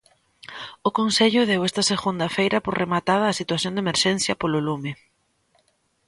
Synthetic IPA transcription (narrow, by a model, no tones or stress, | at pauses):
ʊkonseʎʊðewɛst̪ɐseɣund̪ɐfejɾɐpoɾremat̪að̞ɐːsit̪waθjond̪emeɾʃɛnθjɐpololumɪ